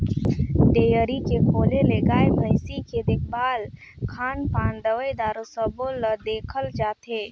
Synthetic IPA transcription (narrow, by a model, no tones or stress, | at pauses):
ʈ̪eːjəɾikekʰoːleleːɡaːebʱə̃ɪsiked̪ɪk̚ʰbaːl | kʰaːnpaːnd̪əʋəjd̪aːɾosəboləd̪eːkʰəld͡ʒaːt̪eː